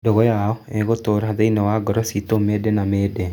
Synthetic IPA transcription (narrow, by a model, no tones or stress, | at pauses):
dɔɣɔjaɔɛɡot̪oɾɦad̪einɔwaɡɔɾɔsitomedenamede